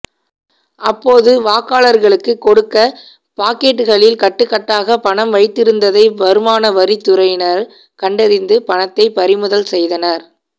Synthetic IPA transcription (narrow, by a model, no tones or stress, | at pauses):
ʔɐpːoːðɯʋaːkaːɭɐɾɣɐɭɯkːɯkːɔɽɯkːɐ | paːkeːʈːɯɣɐɭɪlkɐʈːɯkːɐʈːaːɣɐpɐɳɐmʋɐɪt̪ːɪɾɯnd̪ɐðɐɪbɐɾɯmaːnɐʋɐɾit̪ːʊɾɐjnɐɾ | kɐɳɖɐɾɪnd̪ɯpɐɳɐt̪ːɐɪpɐɾɪmɯðɐlsɛjðɐnɐɾ